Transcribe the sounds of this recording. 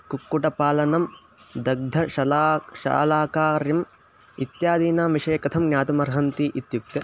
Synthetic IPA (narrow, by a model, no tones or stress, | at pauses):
kukːuʈɐpaːlɐnɐm | d̪ɐɡ̚d̪ʱɐʃɐlaːʃa̰ːlaːkaːɾjɐm | it̪jaːd̪iːnaːmʋiʂɐjɐkɐt̪ʰɐmnʲjaːt̪umɐɾɦɐnt̪iʔit̪juk̚t̪ɐ